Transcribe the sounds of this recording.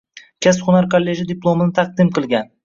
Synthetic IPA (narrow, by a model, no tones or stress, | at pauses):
kʲʰesχʊnaɾkʰolʲːe̞ʒid̪ɪplˠo̞mɪnɪt̪ʰɑq̚d̪ɪmqʰɨlˠɡʲan